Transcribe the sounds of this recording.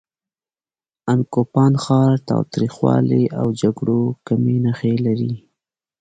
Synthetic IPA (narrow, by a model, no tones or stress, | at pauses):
ankopɑnxɑɾt̪ɑ̰wt̪ɾixwɑ̰leʔawd͡ʒaɡɽokamenaxelaɾi